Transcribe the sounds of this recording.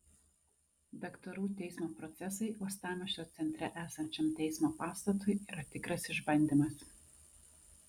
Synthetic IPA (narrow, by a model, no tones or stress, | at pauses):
d̪ɐkt̪ɐɾuːt̪ʲɛɪsmoːpɾɔt̪sʲɛs̬ɐɪɔst̪ɑːmʲɛʃʲoːt̪sʲɛnʲt̪ʲɾʲɛʔæːsɐnʲt͡ʃʲɛmt̪ʲɛɪsmoːpɑːst̪ɐt̪ʊɪiːɾɐt̪ʲɪkɾɐsɪʒbɐnʲd̪ʲimɐs